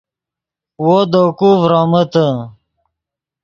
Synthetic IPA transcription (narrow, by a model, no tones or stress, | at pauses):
wod̪okuvɾɑmət̪ə